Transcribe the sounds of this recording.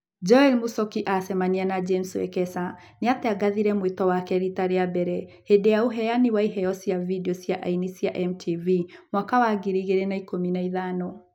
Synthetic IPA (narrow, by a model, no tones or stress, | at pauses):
d͡ʒɔɛlmusɔkiʔasɛmanianad͡ʒemswɛ̰kɛsa | neatɛaɡaðiɾɛmwetɔwakɛɾitaɾeabɛɾɛ | hedeauɦɛjaniwaiɦɛɔsjavidiɔsjaʔa̰inisiaʔɛmtʰivimwakawaɡiɾiɣeɾenaikominaiðanɔ